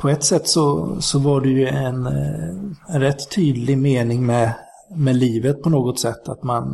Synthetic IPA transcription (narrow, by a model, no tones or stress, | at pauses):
pʰɔɛt̪ːsɛt̪ːsɔsɔvaɖɛjɵɛn | ɛnɾɛt̪ʰːyːd̪lɪmeːnɪŋmɛ | mɛliːvət̪̚pʰɔnoːɡɔt̪sɛt̪ʰːa̰t̪man